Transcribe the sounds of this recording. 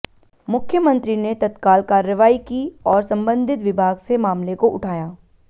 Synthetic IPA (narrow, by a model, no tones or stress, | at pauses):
mʊkʰjəmə̃nt̪ɾinet̪ɐt̪kaːlkaːɾəʋaːikiɔːɾsɐ̃mbə̃nd̪ʱɪt̪ʋɪbʱaːɡsemaːmlekoʔʊʈʰaːjaː